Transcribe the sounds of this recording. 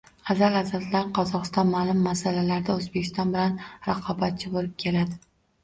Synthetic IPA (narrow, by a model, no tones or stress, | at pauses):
azalazat̪laɾqʰɒzɒqɨ̥st̪ɒnmaːlʊmːasalalaɾd̪aɵzbekʲʰɪ̥st̪ɒnbɪlanɾɑqʰɒbat̪̚t͡ʃʰɪbolɪp̚kʲʰe̞lad̪ɪ